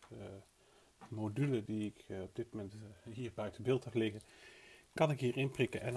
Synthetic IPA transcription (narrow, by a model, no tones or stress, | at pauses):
modylədiɪkɔb̚dɪt̚momɛntɦiːɹbœɥtəbɪːlˠtəflɪɣə | kɑnɪkɦiːɹɪnprɪkəʔɛn